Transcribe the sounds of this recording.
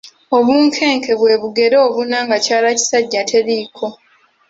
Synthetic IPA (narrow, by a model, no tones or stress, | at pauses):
o̞βuːŋkʰe̞ːŋke̞βwe̞ːβuɡe̞ɾoːβunaŋɡacaːlaci̥saɟːatʰe̞ɾiːkʰo̞